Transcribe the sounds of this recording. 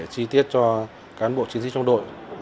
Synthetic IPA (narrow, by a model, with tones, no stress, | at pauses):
t͡ɕi˧t̪i˦˥ət̚t͡ɕɔ˧ | kaː˨˦nɓo̰˧˨t͡ɕi˨˦nt̪i˦˥t͡ɕŋ͡mɗo̰˧˨j